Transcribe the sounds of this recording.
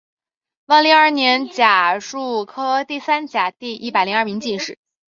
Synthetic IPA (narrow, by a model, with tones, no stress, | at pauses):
wnli˧˥ŋa˞˥˩njɛ˧˥nt͡ɕja˨˩ʂu˥˩kʰɤ˥t̪i˥˩sa˥nt͡ɕja˨˩t̪i˥˧ʔḭ˥˩pa˨˩ɪli˧˥a˞˥˩mi˧˥ŋt͡ɕi˥˧ʂɻ̩˥˩